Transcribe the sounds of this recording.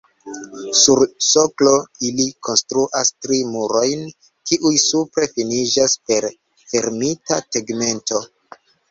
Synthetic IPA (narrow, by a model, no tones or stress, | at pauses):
suɾso̞klo̞ilikʰo̞nstɾuʔastɾimuɾo̞jn | kiʔujsupɾe̞finid͡ʒaspe̞ɾ | fe̞ɾmitateɡme̞nto̞